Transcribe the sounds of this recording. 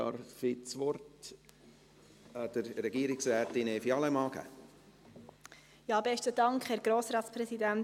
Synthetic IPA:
ɑ̰ɾfitsʋɔɾt | d̥əɾɾɛɡiəɾɪksɾɛːt̪inɛfiɑləmɑːɡæ̰ | jɑːbɛʃtəd̥ɑŋkχhɛːɾɡ̥ɾoːsɾɑːt̪t͡spɾɛsidæn

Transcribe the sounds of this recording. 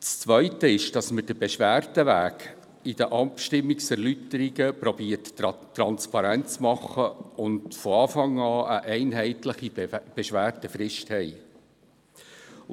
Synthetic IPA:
t͡st͡sʋœʏtəɪʃd̥ɑsməd̥əbeʃʋæːrtəʋæːɡ | idəʔɑpʃtɪmːiksɛɾlytəɾiɡəpɾɔbiːərttɾɑnspɑɾænt͡smɑχːəʊndfɔɑːfɑŋɑːʔəʔɛɪnɦɛɪtləχib̥eʃʋæːrtəfɾɪʃthɛɪ

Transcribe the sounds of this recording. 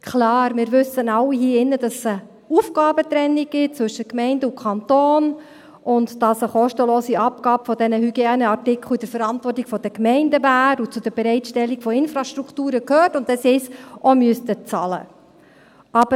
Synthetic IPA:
kʰlɑːɾmɪːɾʋɵsənɑwːiɦiːɪnːəd̥ɑssə | ufɡ̥ɑːbət̪ɾɛnːiɡ̥ɪt͡sʋɵʃəkmɛɪndəʊkʰχɑnt̪oːn | ʔʊndd̥ɑsəχɔʃtəlɔːsiɑp̚ɡ̥ɑːpfɔdɛnəhyɡ̥jenəɑrtɪkʰl̩id̥̪əɾfəɾɑntvɔrtiɡ̥fɔd̥əkmɛɪndəvæːɾut͡sʊd̥əɾbɛɾɛɪtʃtɛlːiɡfɔɪnfɾɑʃtɾukʰtuːɾəkhøːtʊndɛsɪsʔɔmyəstət͡sɑlə̰ | ʔɑb̥ə

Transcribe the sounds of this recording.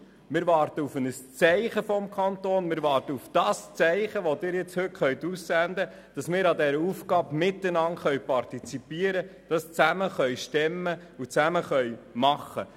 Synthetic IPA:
mɪːɾʋɑːɾtəufənəst͡sɛɪχəfɔmkʰɑntoːnmɪːɾʋɑːɾtəufd̥ɑst͡sɛɪχəʋodɪːɾjɛt͡shɵtχœɥtussænd̪ə | d̥ɑsmɪːɾɑdɛɾəufɡɑːbmɪtːənɑntχœɥpɑrtit͡sipiəɾəd̥ɑst͡sæməχœɥʃtɛmːə | ut͡sæməχœjmɑχːə̰

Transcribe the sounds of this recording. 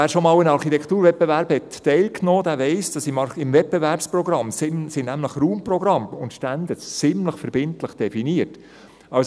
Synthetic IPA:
æːɾʃomɑːwənɑɾχit̪ɛkʰχt̪uːɾvɛt̚b̥evæɾbhɛtːɛɪlknoːd̪æːɾvɛɪsd̥ɑsɪmɑɪmvɛt̚b̥eɛvæɾpsproɡɾɑmsɪmsɪnæmləχɾuːmprɔɡɾɑmʊnt̪ʃtænd̪ət͡sɪmləχfəɾbɪntləχd̥ɛfiniət | ɑʊs

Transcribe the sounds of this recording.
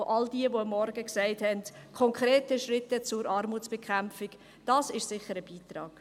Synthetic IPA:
ʔɑldiəvoɑmːɔɾɡəksɛɪthɛndkʰɔŋkɾeːtəʃrɪtːət͡sʊɾʔɑːɾmuːt͡sb̥ɛkʰχæmfiɡ | d̥ɑːsɪʃsɪχəɾəb̥iːtrɑːɡ̥

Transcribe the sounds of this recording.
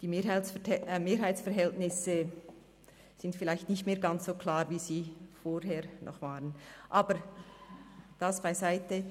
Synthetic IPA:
d̥iːmeːhaɪmeːɾɦaɪt͡sfɛɾɦɛltnɪsə | z̥ɪntfɪlaɪçtnɪçtmeːɐɡant͡ssoːkʰlaːɾviːziːfoːɾɦeːɾnʔɔ̰χv̥aːʁənʔaːbəɾ | d̥asb̥aɪzaɪtə

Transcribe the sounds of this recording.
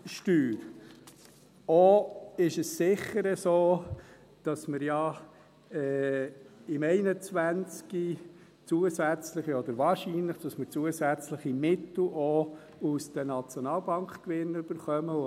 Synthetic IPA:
ʃtyːɾ | ɔɪʃəssɪχːəɾɛsoː | d̥ɑsməɾjɑ | ɛː | ɪmɛɪnət͡sʋænt͡ski | t͡suəsæt͡sləχiɔd̪əɾvɑːɾʃinləχd̥ɑsməɾt͡suəsæt͡sləχimɪt̪l̩ʔɔ | usd̥̪ənɑt͡sjɔnɑːlbɑŋkkʋɪnyb̥əɾχœmə

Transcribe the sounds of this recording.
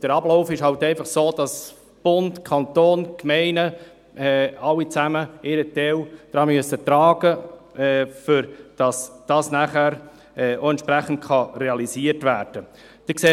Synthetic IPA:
d̥əɾɑblɔʊfɪʃhɑltɛɪfɑχsoːd̥ɑs | b̥ʊndkʰɑnt̪oːnkmɛɪnə | ɛːɑlːit͡sæməɪɾətɛwd̥ɾɑːmyəsət̪ɾɑːɡəɛfʏɾd̥ɑsd̥ɑːsnæχæɾ | ɛoɛnt͡ʃʃpɾæχən̩t̚kʰχɑɾɛɑlisiəɾtʋæːɾd̥ə | d̥̪ɛkseː

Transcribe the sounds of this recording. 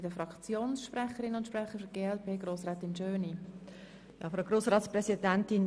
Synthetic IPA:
ɪdəfɾɑkt͡sjoːnsʃprɛχəɾɪnʊntʃprɛχəɾfəɡ̥eːɛlpʰeːɡroːsɾɛːt̪ɪnd͡ʒœːni | jɑ̰ːfɾaʊɡɾoːsʁɑːtsprɛsidɛntɪn

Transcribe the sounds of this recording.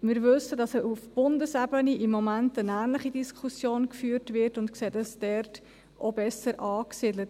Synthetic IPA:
mɪːɾvʏsədɑsəufb̥ʊndəsɛbəniʔimːɔmæntənæːnləχidiskʰusjoːnkfyːrtvɪrtʊntkseːdəsd̥ɛrt | ʔobɛsəɾʔɑːksiːdlət

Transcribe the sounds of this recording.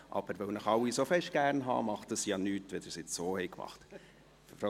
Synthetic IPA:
ʔɑ̰b̥əɾʋœwnəχɑwisofɛʃt̚ɡ̥æːɾnɦɑ̰ːmɑχt̚dəsjɑːnyːtʋɛd̪ɪɾsɪt͡ssoːhɛɪkmɑ̰χt | fɾɔ

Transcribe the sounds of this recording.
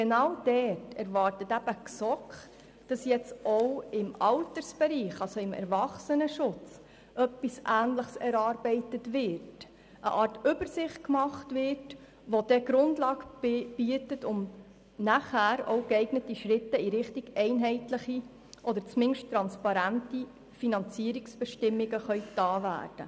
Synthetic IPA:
ɡenɑwd̥ɛtɛɾvɑːɾtətæb̥əksɔkχ | d̥ɑsjɛt͡sɔwɪmɑltəɾsb̥ɛɾiːχɑlsoɪmɛ̰ɾvɑχsənəʃʊt͡s | ʔœpːisʔæːnləχsɛɾɑːɾbɛɪtətvɪɾt | ʔə̰ʔɑːɾtʏbəɾsɪχt̚kmɑχtvɪrt | ʋod̥ɛɡɾʊndlɑːkb̥yːətətʊm | næχæːɾo̰ʊkɛɪɡnətiʃɾɪtːəiɾɪχtiɡ̥ɛɪnɦɛɪtləχi | ʔɔd̪əɾt͡smɪnʃttːɾɑnspɑɾænti | finɑnt͡siːəɾiksb̥ɛʃtɪmːiɡəχœʏtːɑːvæ̰ːɾd̥ə̰

